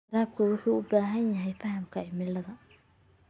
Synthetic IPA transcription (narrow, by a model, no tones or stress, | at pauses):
ɾaːb̚kʰɐwʊħuːʊbaːɦɐnjɐɦɛjfɐɦɐmkʰɐɪmɪlɐðɐ